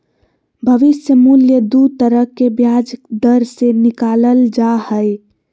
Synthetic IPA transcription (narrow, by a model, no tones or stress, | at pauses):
bʱəʋɪsjəmuljəd̪ud̪̚t̪əɾəkːebjad͡ʒəd̪əɾsenikaləld͡ʒahəj